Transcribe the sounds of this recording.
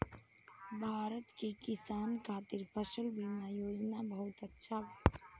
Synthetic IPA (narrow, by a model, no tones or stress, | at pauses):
bʱaːɾət̪kikɪsaːnkʰaːt̪ɪɾpʰəʃəlbimãjoːd͡ʒnabəɦʊt̪ətːʃʰa